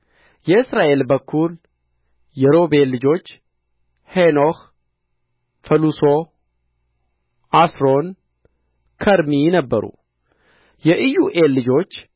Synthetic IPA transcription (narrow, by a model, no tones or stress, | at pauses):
jɛɨsɾaʔe̞lbəkʰːul | jɛɾo̞be̞lːɨd͡ʒo̞t͡ʃː | henoh | fəluso | ʔasɾo̞n | kʰəɾminəbːə̰ɾṵ | jɛʔɨjuʔe̞lːɨd͡ʒo̞t͡ʃː